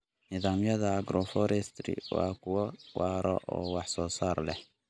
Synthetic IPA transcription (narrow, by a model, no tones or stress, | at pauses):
nɪðaːmjɐðɐːɡɾɔfɔɾɛst̪ɾɪ̰wa̰ːkʰʊwɔwʔaːɾɔʔɔ̰ːwɑħsɔːsaːrlɛh